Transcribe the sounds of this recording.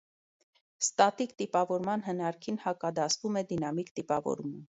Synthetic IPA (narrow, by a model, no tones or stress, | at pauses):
st̪ɑt̪ikt̪ipɑvɔɾmɑnɦənɑɾkʰinhɑkɑd̪ɑsvumɛd̪inɑmikt̪ipɑvɔ̰ɾumə